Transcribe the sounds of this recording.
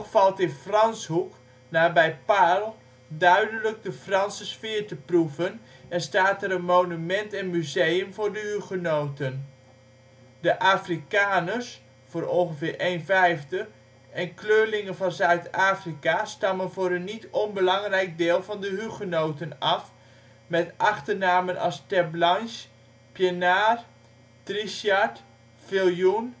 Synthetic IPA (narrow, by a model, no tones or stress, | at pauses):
tfɑlˠtɪnfrɑnshuk | naːbɛjpalˠ | dœɥdələk̚dəfrɑnsəsfɪːrtəpruvənɛnstaːtɛɾənmownymɛntɛnmyzejəmvʊːɹdəɦyχənowtən | dəʔaːfrikaːnəs | fʊːɾɔnˠχəvɪːɹʔejnvɛjfdə | ɛnkløːɹlɪŋənvɑnzœɥtaːfrikastɑmənvʊːɾənːitɔnbəlɑŋrɛjk̚dɪːlˠvɑndəɦyχənowtənɑf | mɛtʔɑχtəɹnaːmənʔɑ̰lstɛblɑns | pjənaːr | triʃaɹt | fɪlˠjun